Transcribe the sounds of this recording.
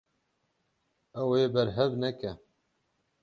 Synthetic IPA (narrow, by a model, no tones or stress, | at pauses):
ɛweːbɛɾɦɛvnɛkɛ